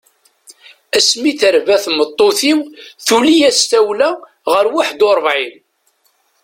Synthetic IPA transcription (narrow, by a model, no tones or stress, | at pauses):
æsmiθəɾvæθmət̪ˤːoθiwθulijæst̪æwlæ | ʁəɾwaħd̪oɾˤvʕin